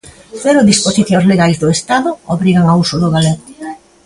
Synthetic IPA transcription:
peɾoðisposiθjoŋzleɣajzðoest̪aðʊoβɾiɣaŋausʊðoɣaleɾ

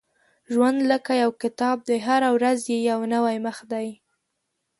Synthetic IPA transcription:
ʒwand̪ləkajawkɪt̪ɑb̚d̪aɦaɾawɾazjejawnəwajməxd̪aj

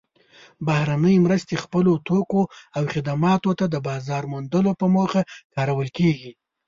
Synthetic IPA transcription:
bahɾanəjmɾəst̪expəlot̪okoawxɪd̪amɑt̪ot̪ad̪əbɑzɑɾmʊnd̪əlopəmoxakɑɾawəlkeɡi

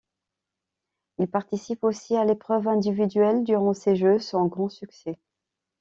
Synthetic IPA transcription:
ilpaʁt̪isiposialepχœvɛ̃d̪ivid̪ɥɛld̪yʁɑ̃seʒøsɑ̃ɡʁɑ̃syksɛ

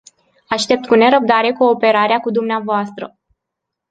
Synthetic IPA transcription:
aʃt̪e̞p̚t̪̚kune̞ɾəb̚d̪aɾe̞ko̞ːpe̞ɾaɾeakud̪umneavoast̪ɾə

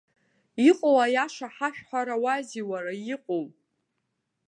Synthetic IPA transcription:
iqʼowajaʂaħaʃᶣħʷaɾawaziwaɾajiqʷʼow

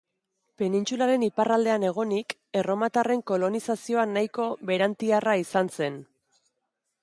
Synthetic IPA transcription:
pe̞nint͡sulaɾe̞niparald̪e̞ane̞ɣ̞o̞nik | e̞ro̞mat̪are̞ŋko̞lo̞nisasio̞anajko̞βe̞ɾant̪iaraisanse̞n

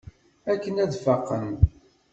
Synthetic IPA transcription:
ækːənæðfɑqːən

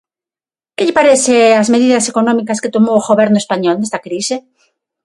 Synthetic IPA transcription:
keʎɪpaɾeθeazmeðiðasekonɔ̃mikasket̪omoɣoβeɾnoespaɲolnest̪akɾise

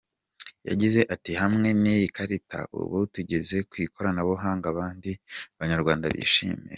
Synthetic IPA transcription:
ja̰ɟize̞ʔatihamŋe̞nijikʰaɾitʰa̰ʔṵβotuɟe̞ze̞kwiːko̞ɾanaβoɦaːŋɡaβaːndiaβaɲaɾɡwaːnda̰βḭːʃḭːmḭ

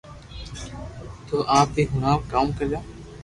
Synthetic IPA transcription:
t̪oːʔaːp̚b̪iːɦʊnaːpkaːmkɐɾd͡ʒaː

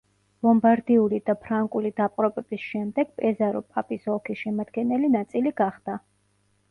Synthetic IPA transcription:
lɔmbaɾd̪iulid̪apʰɾaŋkʼulid̪apʼqʼɾɔpʼɛbisʃɛmd̪ɛɡ̥pʼɛzaɾɔpʼapʼisɔkʰisʃɛmad̪ɡɛnɛlinat̪sʼiliɡaχd̪a

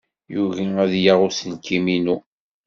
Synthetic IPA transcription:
juviæðjaʁʊsənkʰːiminu

